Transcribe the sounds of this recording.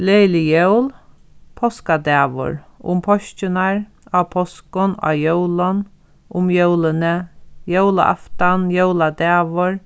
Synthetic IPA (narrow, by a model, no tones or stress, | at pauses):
lejlɪjœwl | pʰɔskad̪ɛːʋʊ̰ɹʊ̰mpʰɔʃcɪnaɹ | apʰɔskʊnʔa̰jœwlɔn | ʊmjœwlənəjœwla̰ʔa̰ft̪anjœwlad̪ɛːʋʊɹ